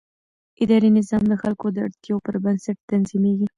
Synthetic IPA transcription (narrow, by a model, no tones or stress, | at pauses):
ʔɪd̪ɑɾinɪzɑmd̪əxalkod̪əa̰ɽt̪jɑwpəɾbənsaʈ̚t̪anzimeɡi